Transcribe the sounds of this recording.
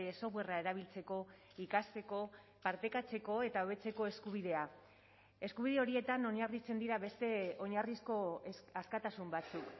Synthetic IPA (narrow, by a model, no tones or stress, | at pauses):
eso̞ɣwe̞rae̞ɾaβ̞ilt͡se̞ko̞ | ikast̪e̞ko̞ | paɾt̪e̞kat͡se̞ko̞e̞t̪aoβe̞t͡se̞ko̞e̞skuβ̞iðe̞a | e̞skuβ̞iðe̞o̞ɾie̞t̪ano̞ɲarit͡se̞nd̪iɾaβe̞st̪e̞o̞ɲarisko̞askat̪asumbat͡suk